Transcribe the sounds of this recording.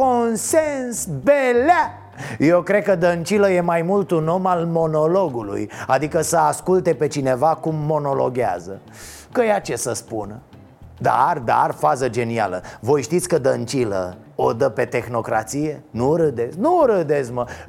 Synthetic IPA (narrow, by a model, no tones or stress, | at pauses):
konsensbela | jewkɾe̞d̪̚kəd̪ənt͡ʃiləje̞majmult̪uno̞malmo̞no̞loɡulṵjad̪ikəsəaskult̪e̞pe̞t͡ʃine̞vakumːo̞no̞lo̞̰ɡʲa̰zə | kəjeat͡ʃe̞səspunə | d̪a̰rd̪a̰rfazəd͡ʒe̞nia̰ləvo̞jʃt̪it̪sʲkəd̪ənt͡ʃilə̰ | od̪əpe̞t̪e̞xno̞kɾa̰t̪sije̞nuɾɨd̪e̞znuɾɨd̪ezmə